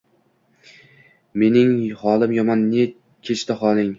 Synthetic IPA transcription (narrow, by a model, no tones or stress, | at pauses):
me̞nɪŋhɒlɪmjɒmɒnːe | kʲʰet͡ʃt̪aχɒlˠɪŋ